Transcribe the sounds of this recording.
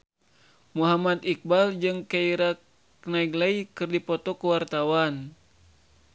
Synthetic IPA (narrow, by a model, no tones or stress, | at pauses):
muɦamat̪ik̚bald͡ʒɨŋkaiɾa | knaiɡlaikɨrdipɔt̪ɔkuwart̪awan